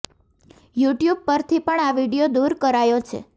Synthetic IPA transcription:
juʈjub̚pəɾt̪ʰipəɳaʋiɖijod̪uɾkəɾajõt͡ʃʰḛ

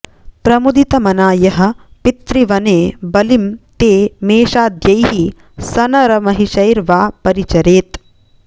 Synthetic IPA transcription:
pɾɐmud̪it̪ɐmɐnaːjɐɦɐ̆pit̪ɾiʋɐneːbɐlimt̪eːmeːʃaːd̪jɐjɦi | sɐnɐɾɐmɐɦiʃɐjɾʋaːpɐɾit͡ʃɐɾeːt̪

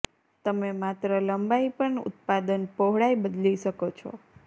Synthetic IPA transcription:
t̪əmemat̪ɾələmbaipəɳʊ̰t̪̚pad̪ənpoɦɽajbəd̪liʃəkot͡ʃʰɔ̰

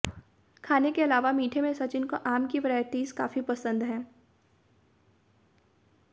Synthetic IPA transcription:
kʰaːnekeɐlaːʋamiːʈʰemẽsɐt͡ʃɪnkoʔaːmkiʋɪɾaːɪt̪iːska̰ːfipɐsə̃nd̪ɦɛ̃ː

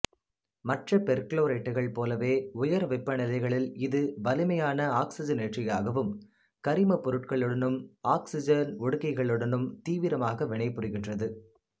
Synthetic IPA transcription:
mɐʈrɐpɛɾkɭoːɾeːʈːɯɣɐɭpoːlɐʋeːʊjɐɾʋɪpːɐnɪlɐɪɣɐɭɪlɪðɯʋɐlɯmɐjaːnɐaːksɪd͡ʒɐnɛʈrɪjaːɣɐʋɯm | kɐɾɪmɐpɔɾɯʈkɐɭɯɽɐnɯmaːksɪd͡ʒɐnɔɽɯkːɐɪɣɐɭɯɽɐnɯmt̪iːʋɪɾɐmaːɣɐʋɪɳɐɪpːɯɾɯɣɪndrɐðɯ

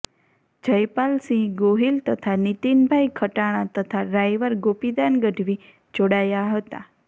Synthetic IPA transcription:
d͡ʒəjpalsĩɡoɦilt̪ət̪ʰanit̪inbʱajkʰəʈaɽ̃ãt̪ət̪ʰaɾajʋəɾɡopid̪anɡəɖʱʋi | d͡ʒoɽajaɦət̪a̰

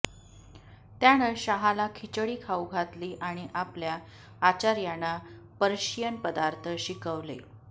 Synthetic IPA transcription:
t̪jañəɕaɦalakʰit͡ɕəɽiːkʰauɡʱat̪liːʔaɽ̃iʔapljaː | t͡ɕaɾjana | pəɾɕijənpəd̪aɾt̪ʰəɕikəʋlḛ

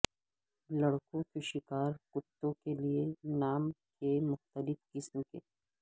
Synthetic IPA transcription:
lɐɽkõkeʃɪkaːɾkʊt̪ːõkelienaːmkemʊxt̪əlɪfkɪsmkeː

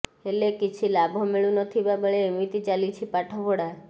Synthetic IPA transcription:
elekit͡ʃʰilabʱɔmeɭũnɔt̪ʰibabəɭeːmit̪it͡ʃalit͡ʃʰipaʈʰɔboɽa

